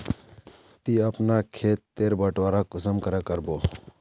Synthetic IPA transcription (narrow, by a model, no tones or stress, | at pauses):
t̪iːəpnakʰeːt̪ːeːɾbəʈʋaːɾakʊsəmkəɾakəɾboː